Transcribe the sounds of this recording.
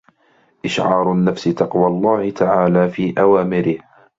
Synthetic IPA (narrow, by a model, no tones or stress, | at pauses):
ʔɪʃʕɑːɾˤnːafsɪt̪ɑqwalˤːaːhɪt̪ʰaʕaːlaːfiːʔawaːmɪɾɪh